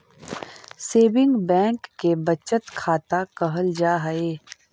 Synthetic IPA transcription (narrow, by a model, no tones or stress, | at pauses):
seːbɪ̃ŋɡbɛ̃ːŋkːebɐt͡ʃət̪kʰaːt̪akɐɦəld͡ʒaːɦəeː